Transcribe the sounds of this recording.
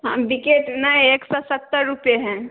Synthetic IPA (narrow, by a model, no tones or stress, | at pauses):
ɦãbikeʈnaeːksɔsət̪ːəɾːupjeɦɛ̃